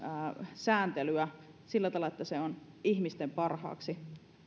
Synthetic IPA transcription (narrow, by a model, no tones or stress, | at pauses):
sæːnt̪elyæ | silːæt̪ɑlɑet̪ːæseon | ihmist̪empɑrhɑ̰ːksi